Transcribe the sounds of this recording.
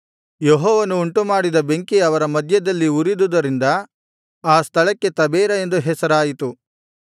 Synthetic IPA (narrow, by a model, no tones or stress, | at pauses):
jeɦɔːʋɐnuːɳʈumaːɽid̪ɐbe̞ŋkiɐʋɐɾɐmɐd̪ʱjɐd̪ɐlːiuɾid̪ud̪ɐɾind̪ɐ | aːst̪ʰɐɭɐkːe̞t̪ɐbɛːɾɐe̞nd̪uɦɛsɐɾaːjit̪u